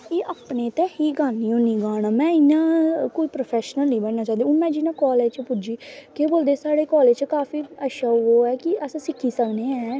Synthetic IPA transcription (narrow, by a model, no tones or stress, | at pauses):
eːʔaːpneːt̪ɛːhiːɡaːniːoːnĩːɡaːnaːmɛ̃ːɪnãːkoːiːpɾoːpʰɛːʃnəlnĩːbəɽnaːt͡ʃãːnd̪eːʊnmɛ̃ːd͡ʒɪnãːkɔːleːd͡ʒt͡ʃpʊd͡ʒiːkeːboːld̪eːsaːɽeːkɔːleːd͡ʒt͡ʃkaːfiːəʃaːoːɛːkɪʔəsãːsɪkʰːiːsəkneːɛ̃ː